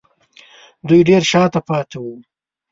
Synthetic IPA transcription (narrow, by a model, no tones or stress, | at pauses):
d̪ujɖeɾʃɑt̪apɑt̪awu